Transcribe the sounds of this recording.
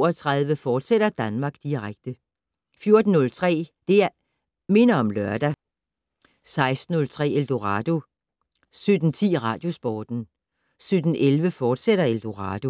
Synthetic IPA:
ɒt͡sʰʁɑðˠʋəfɒːd̥seɾ̥ɐd̥ænmɑ̈ːɡ̥d̥iʁaɡ̥̚d̥ə | fjo̝ɐd̥n̩ːɔ̽lt͡sʰʁɛ̰ːd̥e̝æ | me̝nɐɒ̽mlɶɐd̥æ | sɑ̈ɪsd̥n̩ːɔ̽lt͡sʰʁɛ̰ːeld̥o̝ʁɑd̥o̝ | sød̥n̩t͡sʰḭːʁɑ̈ːd̥jo̝sb̥ɒːd̥n̩ | sød̥n̩ʔelʋəfɒːd̥seɾ̥ɐeld̥o̝ʁɑ̰̈ːd̥o̝

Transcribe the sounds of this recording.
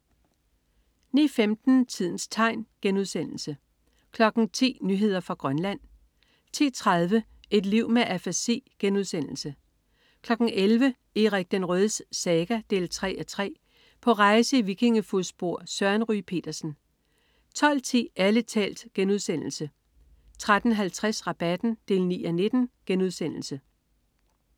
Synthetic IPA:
niːfemd̥n̩t͡sʰið̞̰ˠn̩st͡sʰɑ̈ɪnɡ̥enuð̞ˠsen̰l̩sə | kʰlɒ̽ɡ̥n̩t͡sʰḭːnyɦe̝ð̞̰ˠɐfʁɑ̈ɡ̥ʁɶnlæn̰ | t͡sʰḭːt͡sʰʁɑð̞ˠʋə | e̝d̥liʊ̰meʔæfæsḛːɡ̥enuðˠsen̰l̩sə | kʰlɒ̽ɡ̥n̩elʋə | eʁeɡ̥̚d̥enʁœðˠssɛːɡ̥æd̥e̝̰ːlt͡sʰʁɛ̰ːɒt͡sʰʁɛ̰ː | pʰɒ̽ʁɑ̈ɪsəiʋikʰe̝ŋəfuðˠsb̥o̝ɐ̰sɶɐnʁy̰pʰe̝̰ːd̥ɐsn̩ | t͡sʰɒ̽l̰t͡sʰe̝̰ːælət͡sʰɛ̰ːld̥ɡ̥enuð̞ˠsen̰l̩sə | t͡sʰʁad̥n̩ɦælt͡sʰʁɛsʁɑ̈b̥æd̥n̩d̥e̝̰ːlnḭːɒne̝d̥n̩ɡ̥enuð̞ˠsen̰l̩sə

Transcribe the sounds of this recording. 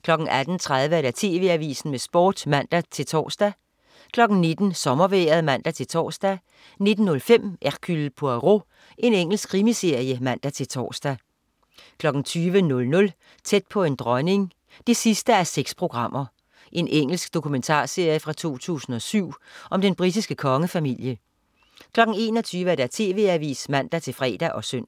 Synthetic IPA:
kʰlɒ̽ɡ̥n̩æd̥n̩t͡sʰʁað̞ˠʋəæɾ̥æt͡sʰe̝̰ːʋe̝æʋḭːsn̩mesb̥ɒ̰ːd̥mæn̰d̥æt͡sʰe̝lt͡sʰɒ̰ːsd̥æ | kʰlɒ̽ɡ̥n̩ne̝d̥n̩sɒ̽mɐʋḛːɐð̞̩ˠmæn̰d̥æt͡sʰe̝lt͡sʰɒ̰ːsd̥æ | ne̝d̥n̩nːɔ̽lfem̰ʔæʁkʰylpʰoæʁo̝ | ʔe̝neŋ̰l̩sɡ̥ʰʁimise̝ɐ̰ijəmæn̰d̥æt͡sʰe̝lt͡sʰɒ̰ːsd̥æ | kʰlɒ̽ɡ̥n̩t͡sʰyːʋənɔ̽lnɔ̽l | t͡sʰed̥̚pʰɒ̽e̝nd̥ʁɒɪne̝ŋ | d̥e̝sisd̥əæɐseɡ̥spʰʁo̝ɡ̥ʁɑ̈m̰ɐ | ʔe̝nʔeŋ̰l̩sɡ̥d̥o̝kʰument͡sʰɑ̰̈ːse̝ɐ̰jəfʁɑ̈t͡sʰo̝̰ːt͡sʰṵːsn̩ɒ̽syʊ̰ʔɒ̽md̥enb̥ʁid̥isɡ̥əkʰɒ̽ŋəfæmil̰jə | kʰlɒ̽ɡ̥n̩e̝ːnɒ̽t͡sʰyːʋəæɐd̥æt͡sʰe̝̰ːʋe̝ːæʋḭːsmæn̰d̥æt͡sʰe̝lfʁɛ̰ːd̥æʔɒ̽søn̰

